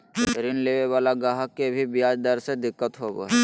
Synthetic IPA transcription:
ɾɪnleːʋeʋaːlaɡaːɦəkːebʱibɪjaːd͡ʒd̪əɾsed̪ɪkːət̪ɦobo̰ɛ

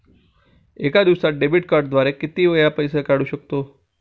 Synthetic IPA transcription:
ekad̪iʋsaɖebiʈkaɾɖd̪ʱʋaɾekit̪iʋəjapəjsekaɽuɕək̚t̪o

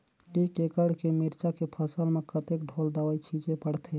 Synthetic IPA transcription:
ikekəɽkemiɾt͡ʃakepʰəsəlmekət̪ek̚ɖʱold̪əʋəjt͡ʃʰid͡ʒepəɽt̪ʰe

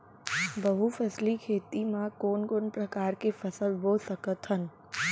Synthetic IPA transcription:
bəɦufʰɛslikʰeːt̪imãkoːnkoːnpɾəkaːɾkefəsəlboːlsəkət̪ɦən

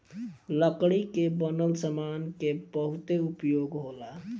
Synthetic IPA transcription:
ləkɽikebənəlsəmankebəɦut̪eupjoɡɦola

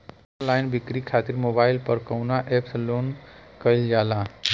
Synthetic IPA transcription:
laɪnbikɾikʰat̪iɾmobaɪlpəɾkəwnaʔepslonkəjld͡ʒala

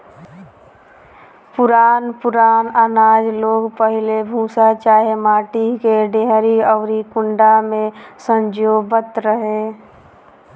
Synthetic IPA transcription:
pʊɾaːnpʊɾaːnənaːd͡ʒloːɡpəɦɪlebʱũːsat͡ʃaːɦemaːʈikeɖeɦɾiɔːɾikʊ̃ɳɖamẽsə̃ɲd͡ʒoːbət̪ɾəɦe

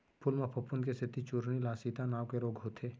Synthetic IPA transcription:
pʰʊlmẽpʰɐpʊnkesɪt̪it͡ʃʊɾnilaːsiːt̪anaːʋkeɾoːɡʱɦoːt̪ʰeː

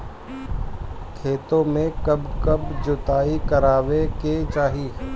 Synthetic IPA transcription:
kʰeːt̪õmẽkɐbkɐbd͡ʒʊt̪aːikɐɾaːʋeket͡ʃaːɦi

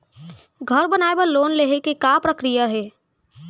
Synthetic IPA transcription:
ɡʱəɾbənaebəlonleɦekekapɾəkɾijəɦe

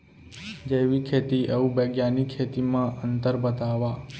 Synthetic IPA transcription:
d͡ʒeʋikʰet̪iʔeũbeɡjanikʰːet̪imãənt̪əɾbət̪aʋa

